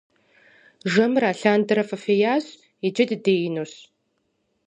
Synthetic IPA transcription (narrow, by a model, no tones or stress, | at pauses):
ʒɐmraːɬaːndɐɾɐfɐfeːjaːɕ | id͡ʒɪdɨdeːjɪnoːɕ